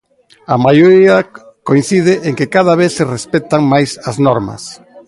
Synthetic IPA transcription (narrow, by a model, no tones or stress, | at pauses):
amajoɾiɐ | koin̟θið̞ɪʔeŋkekaðɐβ̞eθserespɛt̪aŋmajsɐznɔɾmɐ̰s